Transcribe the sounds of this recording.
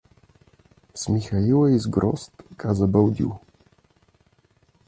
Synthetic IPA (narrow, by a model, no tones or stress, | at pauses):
smʲixajiwɛjzɡɾɔ̰st̪kazabɛwd̪ʲḭw